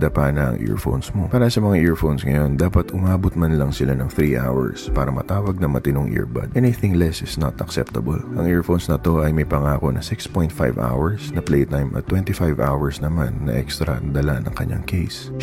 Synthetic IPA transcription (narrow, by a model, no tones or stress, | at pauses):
d̪ɐpaːnɐʔɐ̰ŋʔɛ̰ɹfo̰wnsmo̞paːɾɐsɐmɐŋaʔɛɹfownsŋɐ̰jo̞nd̪aːpɐt̪ʊmaːbot̪̚mɐnlɐŋsɪlanɐŋθɾiʔa̰wɐ̰ɹspaːɾɐmɐ̰t̪aːwɐɡ̚nɐmɐt̪ɪnoŋʔḭɹbɐ̰d̪ʔɛniθɪŋlɛsɪsnɐt̪ɐksɛ̰p̚t̪ɐbɐlʔɐŋʔɛɹfonsnɐt̪o̞ʔɐjmɐjpɐŋaːko̞nɐ̰sɪkspõjnt̪̚fajva̰wɛɹsnɐplejt̪ajmʔɐ̰t̪ːwɛnt̪ifajvawɐɹsnɐma̰nːɐ̰ʔɛ̰kst̪ɾɐʔɐnd̪ɐlanɐ̰ŋkɐɲːa̰ŋkʰejs